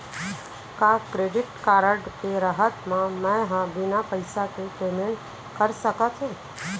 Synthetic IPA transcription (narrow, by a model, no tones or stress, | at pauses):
kaːkɾeːɖɪʈkaːɾəɖkeɾəɦət̪mãmɛ̃ɦãbɪnapəɪsakepeːmẽɳʈ | kəɾsəkat͡ʃʰũ